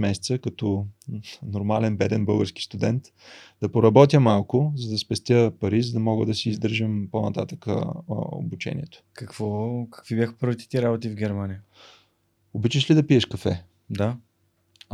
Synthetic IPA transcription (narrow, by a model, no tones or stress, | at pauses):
mɛsɛ̥t̪səkɐt̪ɔ | noɾmalɛnbɛd̪ɛnbɤlˠɡəɾski̥st̪ud̪ɛnt̪ | d̪̥ɐpoɾɐbɔt̪̬ʲjəmalˠkʊzɐd̪ɐspɛst̪ʲjəpɐɾizəd̪ɐmɔɡəd̪ɐsiːzd̪ɤɾʒəmponɐt̪at̪əkə̰o̰but͡ʃɛ̰nʲḭɛt̪ʊ̥kɐkv̥ɔkə̥kvibʲjaxə̥pɤɾvit̪ɛ̥t̪iɾabot̪ivɡʲɛɾmanijə | obit͡ʃəʃlid̪ɐpiɛʃkɐfɛ̰ | d̪a